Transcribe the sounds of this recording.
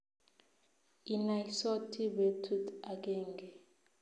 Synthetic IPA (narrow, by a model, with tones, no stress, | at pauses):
i˨na˨isɔ˦tʰi˦be˨tʰu˦ta˨k̬eː˦˨ŋɡɛ˨